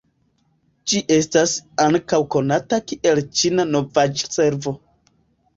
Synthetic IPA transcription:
d͡ʒiʔe̞stasaŋkawko̞natakiʔe̞lt͡ʃinano̞vad͡ʒse̞ɾvo̞

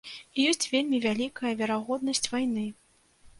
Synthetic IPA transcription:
ijɔsʲt͡sʲvʲelʲmʲivʲalʲikɐjɐvʲɛɾaɣɔd̪̚nɐsʲt͡sʲvajnɨ

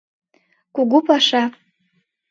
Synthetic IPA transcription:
kuɡupaʃa

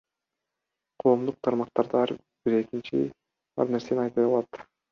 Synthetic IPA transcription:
qʰo̞ːmd̪uq̚t̪ʰɑɾmɑq̚t̪ɑɾd̪ɑɑɾ | b̥iɾe̞kint͡ʃḭ | ɑ̰ɾne̞ɾse̞nɑjt̪ɑjɑlˠɑt̪

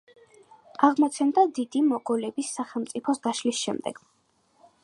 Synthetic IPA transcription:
aʁmɔt̪sʰɛnd̪ad̪id̪imɔɡɔlɛbisːaχɛlˠmt̪sʼipʰɔsɡ̪aʃlisʃɛ̰md̪ɛ̰ɡ̥

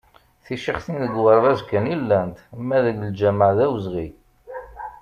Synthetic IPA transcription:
θiʃiχθinðəɡwəɾˤvæzkænilːænt̪mːæðəɡəld͡ʒæməʕðæwəzʁi

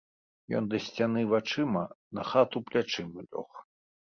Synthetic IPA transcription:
jɔ̰nd̪ɐsʲt͡sʲanɨvat͡ʂɨmɐnɐxat̪uplʲat͡ʂɨmɨlʲɔ̰x

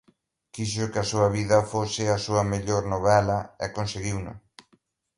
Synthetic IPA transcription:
kiʃʊkɪɐsuɐβiðɐfosɪɐsuɐmeʎoɾnoβɛlɐɛ̰konseɣiwnʊ̰

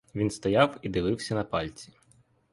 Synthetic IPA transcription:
ʋʲinst̪ɔjɑwid̪ɪʋɪwsʲɐnɐpɑlʲt͡sʲi̥

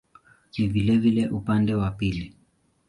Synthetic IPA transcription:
t͡ʃivilɛvilɛʔupandɛwapili

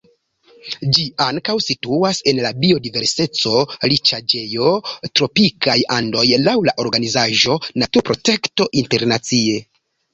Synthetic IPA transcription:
d͡ʒiaŋkawsituase̞nlabio̞dive̞ɾse̞t͡so̞lit͡ʃad͡ʒe̞jo̞tɾo̞pikajando̞jlawlaʔo̞ɾɡanizaʒo̞natuɾpɾo̞te̞kto̞ʔinte̞ɾnat͡sie̞

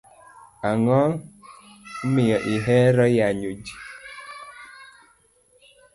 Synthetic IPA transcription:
aŋɔ | m̩mijɔʔiɦɛɾɔjaɲod͡ʒi

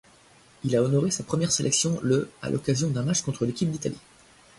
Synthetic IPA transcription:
ilaɔnɔʁesapχəmjɛʁselʔɛksjɔ̃ləa̰lʔɔ̰kʲazjɔ̃d̪ɛ̃mat͡ʃkɔ̃t̪χəlekʲip̚d̪it̪alḭ

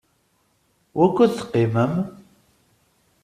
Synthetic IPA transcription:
wækʷːuðθə̥qːiməm

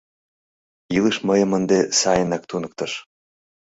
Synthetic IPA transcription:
ilˠɨʃmɤjɤ̆mə̆nd̪esɑjənɑk̚t̪unɤ̆k̚t̪ɤ̆ʃ

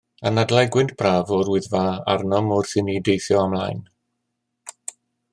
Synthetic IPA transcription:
ənadlˠɛɡwɪndb̥raːvɔɾʊɨðvaa̰rnɔmɔrθɨnidejθjɔamlˠajn

